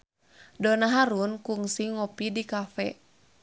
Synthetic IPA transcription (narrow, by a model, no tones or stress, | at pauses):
donaɦaɾunkuŋsiŋɔpidikafɛ̰